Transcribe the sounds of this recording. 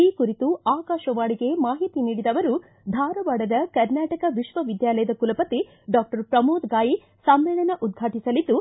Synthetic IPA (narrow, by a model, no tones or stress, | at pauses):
iːkuɾit̪uaːkaːʃɐʋaːɭiɡe̞maːɦit̪iniːɽid̪ɐʋɐɾu | d̪ʱaːɾɐʋaːɽɐd̪ɐkɐɾnaːʈɐkɐʋiʃʋɐʋid̪jaːlɐjɐd̪ɐkulɐpɐt̪i | ɖaːk̚ʈɐɾpɾɐmoːd̪ɡaːji | sɐmʋɛːɭɐnɐʔud̪̚ɡʱaːʈisɐlid̪ːu